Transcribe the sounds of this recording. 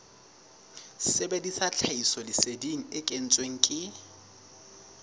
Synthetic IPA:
sɪbedisat͡ɬʰaisɔlɪsediŋ̩ɪkʼen̩t͡sʼweŋ̩kʼɪ

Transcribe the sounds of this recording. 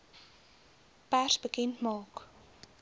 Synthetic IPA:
pærsbəkɛntmɑːk

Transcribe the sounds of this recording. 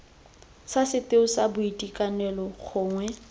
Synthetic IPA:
sasɪteʊsabʊitʼikʼanɛlɔk͡xʰʊːŋwɛ

